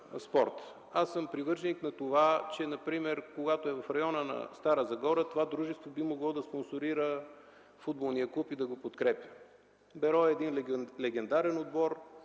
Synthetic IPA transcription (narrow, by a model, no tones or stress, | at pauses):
spɔɾt̪ | asːəmpɾivɤɾt͡ʃɛniknɐt̪ovat͡ʃɛnɐpɾimɛɾkoɡat̪oɛvɐfɾɐjɔnənɐ̰st̪aɾəzɐɡɔɾət̪ovad̪ɾuʒɛst̪vobimoɡlˠɔd̪ɐsponsoɾiɾə | fud̪̚bolˠnijəklˠupid̪ɐɡopot̪kɾɛpʲə̥ | bɛɾɔɛd̪inllɛɡɛnd̪aɾɛnod̪̚bɔɾ